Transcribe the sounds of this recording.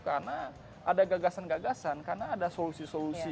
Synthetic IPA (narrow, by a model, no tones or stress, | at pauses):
karna | ʔadaɡaɡasanɡaɡasankarnaːdasolusisolusi